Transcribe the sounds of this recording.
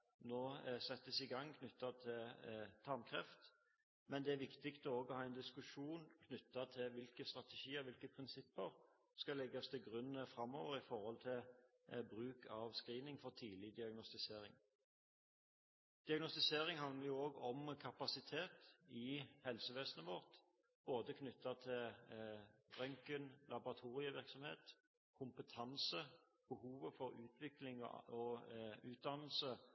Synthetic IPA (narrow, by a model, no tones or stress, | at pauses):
noːsɛt̪ːəsɪɡɑŋːkʰnʏt̪ːɑt̪ʰɪlt̪ʰɑmkʰʁɛft̪ | mɛnd̪ɛæɾʋɪkt̪ɪkt̪ɔoːɡɔhɑːɛnd̪ɪskʉʂuːnkʰnʏt̪ːɑt̪ʰɪʋɪlkəst̪ʁɑt̪ɛʃiːəʁʋɪlkəpʰʁɪnsɪpːəʁ | skɑlɛɡːɑst̪ʰɪlɡɾʉnəfɾɑmːoːʋəɾɪfɔɾhɔlt̪ʰɪl | bɾʉːkʰɑʋskʁiːnɪŋfɔʁt̪ʰiːlɪd̪ɪɑɡnɔst̪ɪseːɾɪ̰ŋ | d̪̥ɪɑɡnɔst̪ɪseːʁɪŋhɑnəʁjʊoːɡɔmkʰɑpɑsɪt̪ʰeːt̪ɪhɛlsəʋeːsənəʋɔʁt̪ | b̥oːd̪əkʰnʏt̪ːɑt̪ʰɪl | bʁœŋkənlɑbʊʁɑt̪ʰuːʁɪəʋɪʁksɔmheːt̪ | kʰʊmpət̪ʰɑnsə | b̥əhuːʋəfɔɾʉːt̪ʰʋɪklɪŋ̰ɔʉːt̪̚d̪ɑnl̩sə